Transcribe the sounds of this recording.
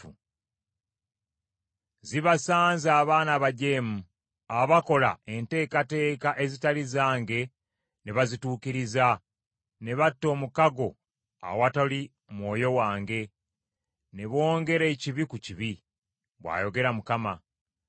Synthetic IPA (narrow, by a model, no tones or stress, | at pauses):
u | ziβasaːnzaːβaːnaβaɟe̞ːmu | aβako̞la̰e̞nte̞ːkate̞ːkaʔe̞zitalizaːŋɡe̞ | neβazituːkiɾiza | ne̞βatːo̞ːmukaɡo̞ | a̰watali | mwo̞ːjo̞waːŋɡe̞ | ne̞βo̞ːŋɡe̞ɾe̞ciβikuciβi | βwa̰ːjo̞ɡe̞ɾamukama